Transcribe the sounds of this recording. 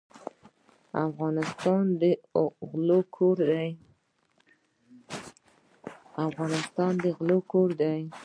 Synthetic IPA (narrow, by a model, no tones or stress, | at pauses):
a̰fɣɑnɪst̪ɑnd̪əɣlokʰoɾd̪aj | afɣɑnɪst̪ɑnd̪əɣlokoɾd̪aj